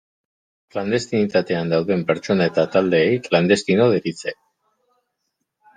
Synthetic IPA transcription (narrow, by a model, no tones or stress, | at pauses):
kland̪e̞st̪init̪at̪e̞and̪awðe̞mpe̞ɾt͡ʃo̞nae̞t̪at̪ald̪e̞ːjkland̪e̞st̪ino̞ð̞eɾit͡se